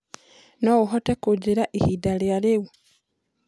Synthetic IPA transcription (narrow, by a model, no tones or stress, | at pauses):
nowuxotekuɟiɾaʔihidaljaliwu